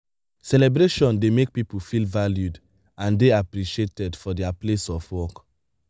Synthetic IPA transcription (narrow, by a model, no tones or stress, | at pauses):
sɛlɛbɾeʃɔ̃ndemek̚pipufilvaljud | ãndeapɾiʃietɛdfɔdɛaplesɔfwɔk